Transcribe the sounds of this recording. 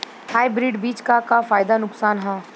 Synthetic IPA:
haːjbɾiɖbiːt͡ʃkakafaːjd̪anʊksaːnɦãː

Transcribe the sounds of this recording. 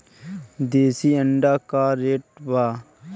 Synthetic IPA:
d̪eːsiːəɳɖaːkaːɾeːʈ̚baː

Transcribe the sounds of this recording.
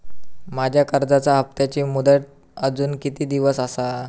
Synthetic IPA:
mad͡ʑʱjakəɾd͡zat͡saɦəf̚t̪jat͡ɕiːmud̪əʈ̚ | əd͡zuːnkit̪iːd̪iʋəsəsa

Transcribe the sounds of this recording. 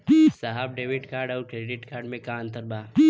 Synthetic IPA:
saɦabɖeːʋiʈkaːɾɖaːɾkɾeɖiʈkaːɾɖmẽkaːnt̪əɾbaː

